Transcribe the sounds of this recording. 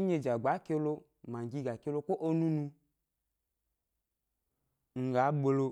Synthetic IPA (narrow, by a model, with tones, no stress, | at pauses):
ɲe˨d͡ʒa˨ɡ͡ba˨˦ke˧˦lo˧ | ma˨ŋ̩˨ɡi˧ɡa˨ke˧˦lo˧ko˦ʔo˦nũ˦nũ˧ | ŋ̩˨ɡa˨˦ɡ͡bo˧lo˧